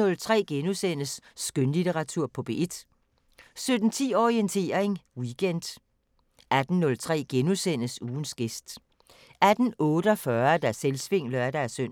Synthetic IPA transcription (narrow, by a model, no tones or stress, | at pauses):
ɔ̽lt͡sʰʁɛ̰ːɡ̥enusen̰əsːɡ̥ønlit͡sʰeʁɑ̈t͡sʰuɐ̰pʰɒ̽b̥e̝ed̥ | sød̥n̩t͡sʰḭːɒient͡sʰe̝̰ːɐʁeŋwiɡ̥en̰d̥ | æd̥n̩nːɔ̽lt͡sʰʁɛ̰ːɡ̥enusen̰əsuːn̩sɡ̥e̝sd̥ | æd̥n̩ɔ̽ːɾ̥əɒ̽fɶɐd̥æselsʋe̝ŋ̰lɐæd̥æɐsøn̰